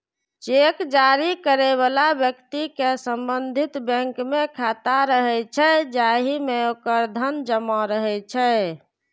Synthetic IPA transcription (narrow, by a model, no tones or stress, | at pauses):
t͡ʃekd͡ʒaɾikəɾeβalabjəkt̪ikesəmbənd̪ʱit̪bə̃ŋkmekʰat̪aɾəɦɛt͡ʃʰɛd͡ʒaɦimeokəɾd̪ʱənd͡ʒəmɔɾəɦɛt͡ʃʰɛ